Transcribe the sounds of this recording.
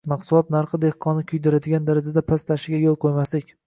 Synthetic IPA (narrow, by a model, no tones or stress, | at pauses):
mɑqsʊlˠɒt̪naɾχɨd̪e̞hqʰɒnɪkʲʰʊjd̪ɪɾad̪ɪɡʲand̪aɾad͡ʒad̪apʰast̪ʰaʃɪɡʲajolˠqʰojmaslɪkʲ